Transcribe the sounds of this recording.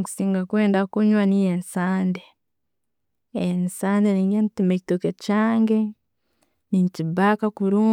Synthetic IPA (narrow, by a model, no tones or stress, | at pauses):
ku̥siːŋɡakweːndakuɲwanijensaːnde | nsaːndeniɲɡentimecitokecaːŋɡe | niɲcibakakuɾuː